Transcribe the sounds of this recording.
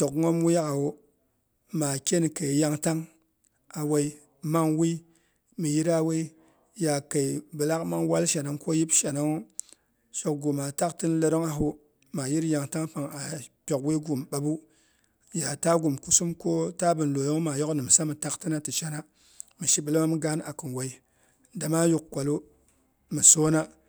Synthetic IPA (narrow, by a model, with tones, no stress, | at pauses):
to˨kŋo˦mwi˦ja˦ka˨wo˦ | ma˨kʲe˦n˨ka˨i˨ja˦ŋta˦ŋ | a˨we˦i˦ | ma˦ŋwi˦ | mi˨ji˦ɾa˦we˦i˦ | ja˨ka˨i˨bɨ˨la˦kma˦ŋwa˦lʃa˨no˨˦ŋko˦ji˦bʃa˨no˦ŋ | ʃo˨k̚ɡu˨ma˨ta˦ktɨ˦n˦le˦ɾo˦ŋa˨ɦu˦ | ma˨ji˦ɾja˨ŋta˦ŋpa˨ŋa˨pʲo˨kwi˦ɡu˨m˨ɓa˨˦bu˦ | ja˨ta˦ɡu˨mku˦su˦mko˦ta˦bɨ˨nlo˨jo˦ŋ˦ma˨jo˦knɨ˨m˨sa˦mɨ˨ta˦ktɨ˦na˦tɨ˨t͡ʃa˦na˦ | mɨ˨ʃi˦bɨ˨lma˦m˦ɡa˦na˨kɨ˨nwa˨i˦ | da˨ma˦ju˨k̚kʷa˨lo˦ | mɨ˨so˦na˦